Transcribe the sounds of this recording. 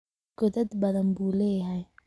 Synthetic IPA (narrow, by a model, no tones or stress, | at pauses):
ɡ̥ɔðɐd̪bɐðɐnbuːlɛːjɦɛj